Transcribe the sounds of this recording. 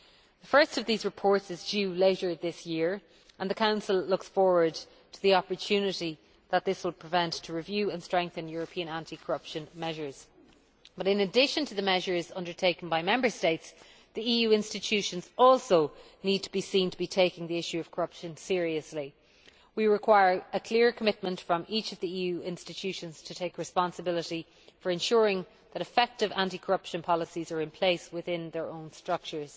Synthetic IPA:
ðəfɜ˞stʌvðizɹɪpʰɔɹtsɪzd͡ʒʉleɪɾə˞ðɪsjɪɹ | ʔə̃nðəkʰãʊ̃nsəlˠlʊksfɔːɹwə˞d | tʰəðiɑpə˞tʰʉnɪɾi | ðət̪̚ðɪswɪlˠpʰɹ̥ɪvɛ̃ntʰəɹɪvjʉːə̃nstɹ̥ɛ̃ŋk̚θə̃njɔɹəpʰĩə̃nãntʰikʰəɹʌpʃə̃nmɛʒə˞z̥ | b̥ʌɾɪ̃nədɪʃə̃ntʰəðəmɛʒə˞zʌ̃ndə˞tʰeɪkə̃n̩baɪmɛ̃mbə˞steɪts | ðiijʉɪ̃nstɪtʰʉʃə̃nzɔlˠsoʊ | nid̚tʰəbisĩntʰəbitʰeɪkɪ̃ŋðiɪʃʉʌv̥kʰəɹʌpʃə̃nsɪəɹiəsli | wiɹɪkʰw̥aɪə˞əkʰl̥ɪəɹkʰəmɪt̚mə̃ntfɹə̃mit͡ʃəvðiiːjʉːɪ̃nstɪtʰʉʃə̃nz̥tʰətʰeɪkɹɨspɑ̃nsəbɪlɪɾi | fə˞ɨ̃nʃʊːɹɪ̃ŋ | ðəɾɨfɛk̚tɪvã̰ntikʰə˞ʌpʃə̃npʰɑləsizə˞ɪ̃npʰl̥eɪswɪðɪ̃nðə˞õʊ̃nstɹ̥ʌk̚t͡ʃə˞z̥

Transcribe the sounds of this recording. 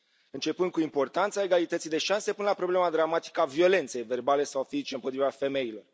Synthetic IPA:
ɨnt͡ʃe̞pɨnd̪̚kuimpo̞rt̪ant̪sae̞ɡalit̪ət̪sijd̪e̞ʃanse̞punlapɾo̞ble̞mad̪ɾamat̪i̥kəavio̞le̞nt̪se̞jve̞rbale̞sawfizit͡ʃe̞ɨmpo̞t̪ɾivafe̞me̞jilo̞r

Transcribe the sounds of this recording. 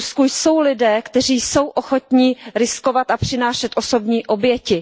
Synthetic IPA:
skujso̞wlɪdɛːkt̪ɛriːjso̞wʔoxo̞t̪ɲiɾɪsko̞vat̪apr̝̥ɪnaːʃɛt̪ʔo̞so̞bɲiːʔo̞bjɛcɪ

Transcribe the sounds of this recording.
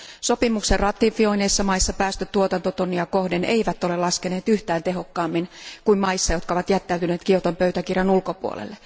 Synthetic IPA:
sopimukserrɑt̪ːˑifio̞ineisːɑmɑisːɑpæːst̪øt̪uot̪ɑnt̪ot̪onːiɑkohdeneiʋæt̪ːolelɑskeneːt̪yht̪æːnt̪eɦokːɑːmːinkuimɑisːɑjo̞t̪kɑoʋɑt̪jæt̪ːæyt̪yneːt̪kiot̪ompøyt̪ækirjɑnulkopuo̰lḛlːe

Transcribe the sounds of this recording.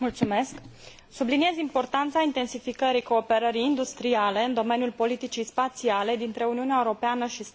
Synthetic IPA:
mult̪sume̞sk | sublinije̞zimpo̞rt̪ant̪saint̪e̞nsifikəɾiko̞ːpe̞ɾəɾiːnd̪ust̪ɾiale̞ɨnd̪o̞me̞njulpo̞lit̪it͡ʃijspat̪siale̞d̪int̪ɾe̞uniuneaeuɾo̞peanəʃis

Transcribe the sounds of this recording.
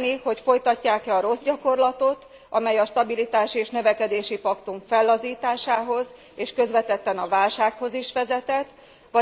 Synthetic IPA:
niho̞cfo̞jt̪ɒcːaːkɛɒɾo̞zɟɒko̞rlɒt̪o̞t̪ | ʔɒmɛjɒʃt̪ɒbilit̪aːʃieːʃnø̞vɛkɛd̪eːʃipɒkt̪uɱfɛlːɒziːt̪aːʃaːɦo̞z | eːʃkø̞zvɛt̪ɛt̪ːɛnɒvaːlʃaːkho̞ziʃʋɛzɛt̪ɛt̪ː | ʋɒ

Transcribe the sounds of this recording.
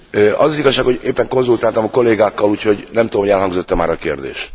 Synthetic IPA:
øʔɒzɒziɡɒʃːaːkhoɟeːpːɛŋko̞nzult̪aːlt̪ɒmɒko̞lːeːɡaːkːɒluːcho̞ɟnɛmt̪ud̪omoɟɛlhɒŋɡzo̞t̪ːɛmaːɾɒkḛːrd̪ḛːʃ

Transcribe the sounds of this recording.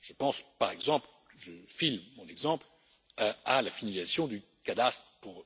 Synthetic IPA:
ʒ̥əpɑ̃spaʁɛɡzɑ̃pl | ʒəfilmɔ̃nɛɡzɑ̃pl | aalafinalizasjɔ̃d̪ykad̪ast̪χpuʁ

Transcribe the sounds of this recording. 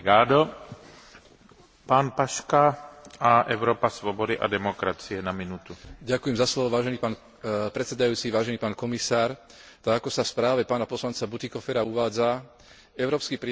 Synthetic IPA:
ɡaːd̪ɔ | paːnpaʃkaaʔɛʊɾɔːpasʋɔbɔd̪iʔa̰d̪ɛmɔkɾat͡siɛnaminut̪uɟakujɛmzaslɔʋɔʋaːʒɛniːpaːn | pɾɛt̪sɛd̪ajuːt͡siʋaːʒɛniːpaːnkɔmisaːɾ | t̪aɡakɔsafspɾaːʋɛpaːnapɔslant͡sabut̪ikɔfɛɾauʋaːd͡za | ɛʊɾɔːpskipɾi

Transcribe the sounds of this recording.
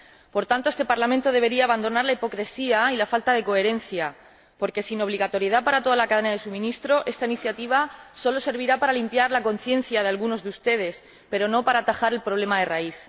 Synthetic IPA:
po̞ɾt̪ant̪oe̞st̪e̞paɾlamẽnt̪o̞ð̞e̞β̞e̞ɾiaːβand̪o̞naɾlaipo̞kɾe̞siailafalt̪að̞e̞ko̞e̞ɾe̞n̟θja | po̞ɾke̞sino̞β̞liɣat̪o̞ɾje̞ðapaɾat̪o̞ð̞alakað̞e̞naðe̞sumĩnist̪ɾo̞ʔe̞st̪ainiθjat̪iβ̞aso̞lo̞se̞ɾβiɾapaɾalimpjaɾlako̞n̟θje̞n̟θjað̞e̞alɣuno̞zðeust̪e̞ð̞e̞s | pe̞ɾo̞no̞paɾaːt̪axaɾe̞lpɾo̞β̞le̞maðe̞raiθ

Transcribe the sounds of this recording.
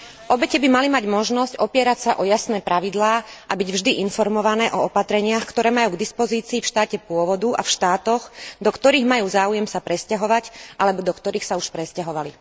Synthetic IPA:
ʔɔbɛcɛbimalimaɟmɔʒnɔscɔpɪɛɾacsaʔɔjasnɛːpɾaʋid̪laːʔabiɟvʒd̪iʔinfɔɾmɔʋanɛːʔɔɔpat̪ɾɛɲɪaxkt̪ɔɾɛːmajuːɡd̪ispɔziːt͡siːfʃt̪aːcɛpʊɔʋɔd̪ua̰fʃt̪aːt̪ɔxd̪ɔkt̪ɔɾiːɣmajuːzaːujɛmsapɾɛscaɦɔʋacʔalɛbɔd̪ɔkt̪ɔɾiːxsauʃpɾɛscaɦɔʋali

